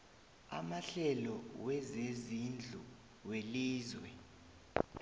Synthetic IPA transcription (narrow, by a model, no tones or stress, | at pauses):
a̰maɬɛlɔwɛzezind͡ɮʱu | weliːzwɛ